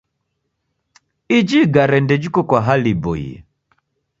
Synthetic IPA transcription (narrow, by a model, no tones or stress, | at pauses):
id͡ʒiɡaɾɛndɛd͡ʒikɔkwaɦalibɔ̰jḭ